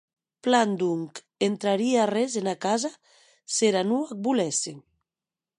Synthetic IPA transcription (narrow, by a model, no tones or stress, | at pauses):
pland̪uŋk | ent̪ɾaɾiarɛzenakaza | seɾanuak̚bulɛse